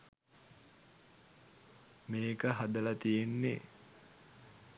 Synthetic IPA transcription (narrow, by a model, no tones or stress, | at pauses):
meːkəɦad̪əlat̪ijenːe